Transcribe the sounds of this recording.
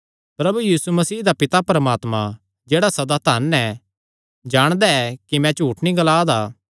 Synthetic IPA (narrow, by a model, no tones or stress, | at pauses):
pɾɐbujiːsumɐsiːd̪apɪt̪apɐɾəmaːt̪mã̰ | d͡ʒeːɽasɐd̪aːt̪ʰaːnɛ | d͡ʒaːɽ̃d̪aɛkimɛ̃t͡ʃuːʈʰnĩɡɐlaːd̪aː